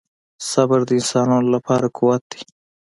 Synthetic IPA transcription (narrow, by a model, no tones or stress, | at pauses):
sabaɾd̪əɪnsɑnɑnolapʰɑɾakʰuwat̪̚d̪i̥